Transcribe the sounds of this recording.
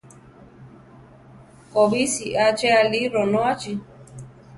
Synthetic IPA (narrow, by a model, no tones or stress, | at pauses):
kɔbisiʔat͡ʃɛaliɾɔnɔ̃at͡ʃi